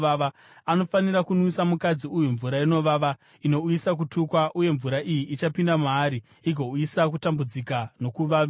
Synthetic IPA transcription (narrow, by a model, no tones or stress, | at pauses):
ʋaʋa | ano̞fanirakunwisamukad͡ziujuɱvuɾaino̞ʋaʋa | ino̞uisak̬utukwaʔuje̞ɱvuɾaʔijiʔːt͡ʃapindamaːɾi | iɡʱo̞uisak̬utambud͡zikano̞kuʋa